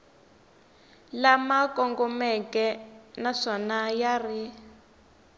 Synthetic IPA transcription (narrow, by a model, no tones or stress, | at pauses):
lamakɔŋɡɔmɛkɛnaʂɔnajari